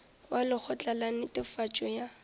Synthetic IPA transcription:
walɪk͡xʰɔt͡ɬʼalanɪtʼɪfat͡ʃʼɔja

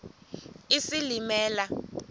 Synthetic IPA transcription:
isilimɛːla

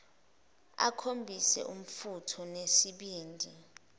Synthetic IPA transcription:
a̰kʰombʱisɛ̰ʔum̩futʰɔnesiɓiːndʱi

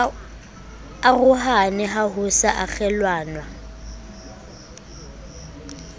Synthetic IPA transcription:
aɣʊɦanɛɦaɦʊsaʔak͡xʰɛlwaːnwa

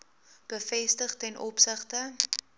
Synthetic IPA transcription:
b̥əfɛstəχtɛnʔɔpsəχtə

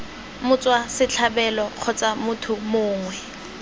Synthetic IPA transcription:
mʊt͡sʼwasɪt͡ɬʰabɛlɔq͡χʰɔt͡sʼamʊtʰʊmʊːŋwɛ

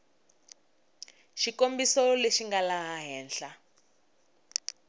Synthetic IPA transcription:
ʃikombisɔleʃiŋɡalaɦaɦɛːnɬa

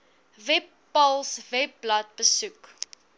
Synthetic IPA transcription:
vɛpːɐlˠsvɛp̚blɐt̚bəsuk

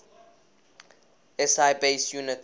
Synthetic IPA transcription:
ɛsajbeɪsjunɪt

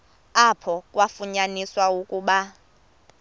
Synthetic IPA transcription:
apʰɔkʼwafuɲaniswaukʼuːɓa

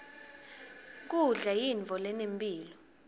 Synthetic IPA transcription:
k̬uɮajiɱvʱɔlɛnempʼiːlɔ

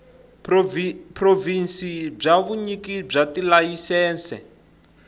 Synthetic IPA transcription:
prɔvinsib͡ʐaβuɲikib͡ʐatilajisɛːnsɛ

